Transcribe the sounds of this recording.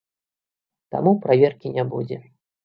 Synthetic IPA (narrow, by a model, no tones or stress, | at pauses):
t̪a̰mupɾavʲerkʲinʲabud͡zʲɛ